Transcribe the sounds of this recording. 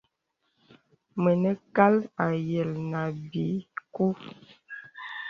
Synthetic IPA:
mə˨nə˦ka˦la˨jə˨lna˨bi˨˦ku˦

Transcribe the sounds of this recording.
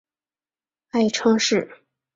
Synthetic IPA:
a˥˩ɪʈ͡ʂʰɤ˥ŋʂɻ̩˥˩

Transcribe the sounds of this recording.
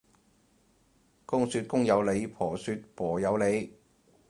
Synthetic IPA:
kʊ˥ŋsyː˧t̚kʊ˥ŋjɐ˨˧wle˨˧jpʰɔː˨˩syː˧t̚pʰɔː˨˩jɐ˨˧wle˨˧j

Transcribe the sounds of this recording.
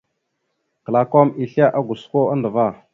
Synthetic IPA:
kə˨la˨ko˦mi˨ɬa˦ʔa˦ɡʷu˨sko˦a˦ndə˨va˦˨

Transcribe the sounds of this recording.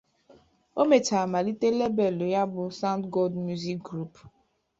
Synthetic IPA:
o˦me˨t͡ʃa˨a˨ma˨li˦te˦le˦be˨lo˨ja˦bʊ˨sa˦ʊ̃˦ntɡo˦ldmju˦zi˦k̚ɡɾu˦p

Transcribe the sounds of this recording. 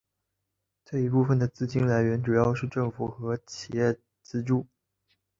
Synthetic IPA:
ʈ͡ʂɤ˥˩i˧˥pu˥˩fə˩nd̪ə˩t͡sɹ̩˥˩t͡ɕi˥nla˧˥ɪɥɛ˧˥nʈ͡ʂu˨˩jɑ˥˧ʊʂɻ̩˥˧ʈ͡ʂɤ˥˩ŋfu˨˩xɤ˧˥t͡ɕʰi˨˩jɛ˥˩ | t͡sɹ̩˥ʈ͡ʂu˥˩

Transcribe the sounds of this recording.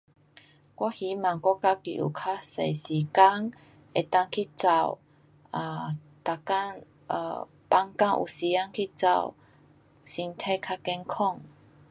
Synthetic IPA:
kwɔ˦hi˨˦mã˨ŋkʷɔ˦ka˧˦kḭ˨ʔṵ˨˩kʰa˧se˨˩jsi˨˩ka˦ŋ | ʔe˨˩t̪a˦˧˨ŋkʰi˦t͡sa˧˩w | a˧ | t̪a˧˨ka˧˥ŋ̰˧ | pa˧˥ŋka˧˩ŋʔṵ˨si˨˦a˦ŋkʰi˦t͡sa̰˧˩w | si˧ŋt̪ʰe˧kʰa˧kɛ˧ŋkʰɔ˥˧˨ŋ

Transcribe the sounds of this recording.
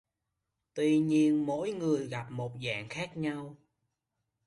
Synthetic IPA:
t̪wi˧ɲi˧ənmo̰˧˥jŋɨ˨˩əjɣa˨˩p̚mo˨˩t̚za̰ː˧˨ŋxaː˦˥k̚ɲa˧w

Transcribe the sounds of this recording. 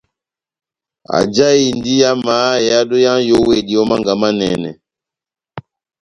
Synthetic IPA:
a̰˨d͡ʒa˦i˨ndi˦ja˦ma˨˦˨ja˦do˦jã˦jo˦we˨di˨ɔ˦ma˦ŋɡa˨ma˦nɛ̰˨nɛ̰˨

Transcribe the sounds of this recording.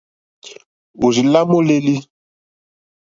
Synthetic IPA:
u˨zi˨la˦mo˦le˦li˦

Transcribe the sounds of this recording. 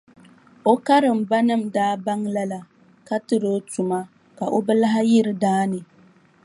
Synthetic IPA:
o˦ka˦ɾɨ˨m̩˨ba˦nɨ˦˨m̩daː˦ba˦ŋla˦la˨ | ka˦tɨ˨ɾo˦tu˨ma˦ | ka˨ʔo˦bɛ˦la˦ɦa˦jɪ˦ɾɨ˨daː˦nɨ˨

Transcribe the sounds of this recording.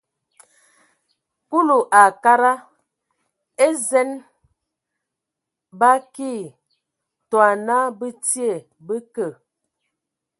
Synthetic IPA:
ku˦lu˨ʔa˨ka˦ɾa˦ | e˦zɛ˦n | ba˦ki˦˨ | twa˨na˦bə˦ti˦e˨ | bə˦kə˨

